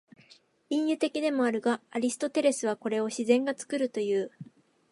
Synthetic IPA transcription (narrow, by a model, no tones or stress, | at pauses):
ĩɰ̃jɯ̟t̪e̞kʲid̪e̞mo̞aɾɯ̟ɡaːɾʲisɨ̥t̪o̞t̪e̞ɾe̞sɨβ̞ako̞ɾe̞o̞ɕizẽ̞ŋɡat͡sɨ̥kɯ̟ɾɯ̟t̪o̞jɯ̟ː